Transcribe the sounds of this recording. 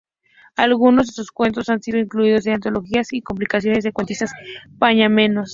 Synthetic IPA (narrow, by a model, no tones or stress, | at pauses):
alɣuno̞zðesoskwe̞nt̪o̞sansiðo̞iŋkluið̞o̞senant̪o̞lo̞xiasiko̞mplikasjo̞ne̞zðekwent̪ist̪aspaɲamẽ̞nos